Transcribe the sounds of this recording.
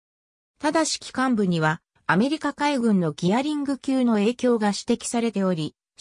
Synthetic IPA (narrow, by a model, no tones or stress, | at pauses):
t̪ad̪aɕi̥kʲi̥kãmbɯ̟ɲ̟iβaː | me̞ɾʲikakaiɡɯ̟̃nːo̞ɡʲiaɾʲĩŋɡɯ̟kʲɨːno̞e̞ːkʲo̞ːɡaɕi̥t̪e̞kʲi̥saɾe̞t̪e̞o̞ɾʲi